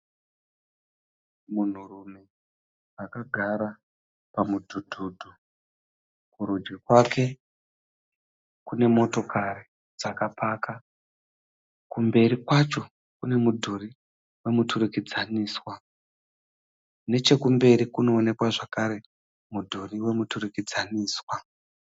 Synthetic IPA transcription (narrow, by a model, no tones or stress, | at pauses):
mun̤urume̞ | akaɡʱaɾa | pamudʱudʱuːdʱu | kuɾud͡ʒɡekwake̞ | kune̞mo̞to̞kaɾi | d͡zakapʰaːka | kumbe̞ɾikwat͡ʃo̞ | kune̞mudʱuɾi | we̞muturukid͡zaniːswa | ne̞t͡ʃe̞kumbe̞ɾikuno̞ːne̞kwaʐakaɾe̞ | mudʱuriwe̞muturukid͡zaniːswa